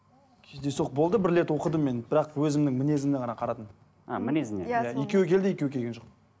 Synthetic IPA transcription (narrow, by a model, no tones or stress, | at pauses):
kʲʰezd̪e̞soq̚bo̞lˠd̪əbɪɾle̞t̪wo̞qəd̪əmːe̞nbɪɾɑqwɵzɪmnɪŋmɪne̞zɪmneqʰɑnɑqʰɑɾɑt̪ən | a̰mɪnezɪnejjajekʲe̞wɪkʲʰe̞ld̪ɪje̞kʲewɪkʲʰeɡʲenʒoq